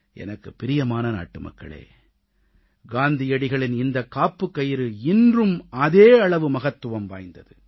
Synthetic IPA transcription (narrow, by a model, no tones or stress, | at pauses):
ʔɛ̰nɐkːɯpːɪɾɪjɐmaːnɐna̰ːʈːɯmɐ̰kːɐ̰ɭḛː | ɡaːnd̪ɪjɐɽɪɣɐɭɪnɪnd̪ɐkːaːpːɯkːɐjɪɾɯɪndrɯmɐðeːɐɭɐʋɯmɐɣɐt̪ːɯʋɐmʋa̰ːjnd̪ɐðɯ